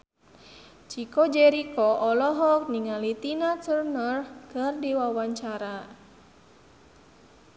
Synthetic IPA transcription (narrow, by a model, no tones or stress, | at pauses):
t͡ʃikɔd͡ʒɛɾikɔʔɔlɔɦɔk̚niŋalit̪inat̪ərnərkɨrdiwawaɲt͡ʃaɾa